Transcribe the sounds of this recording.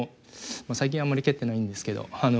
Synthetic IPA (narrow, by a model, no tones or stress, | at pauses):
masaik̬ʲĩɰ̃amːaɾʲike̞t̪ːe̞naĩnd̪e̞sɨ̥ke̞d̪o̞̰ano